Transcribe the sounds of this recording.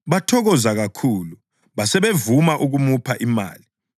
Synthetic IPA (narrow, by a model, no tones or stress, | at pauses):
βatʰɔɣɔzaɣakʰuːlu | βasɛβevumaʔuɣumupʰaʔima̰ːli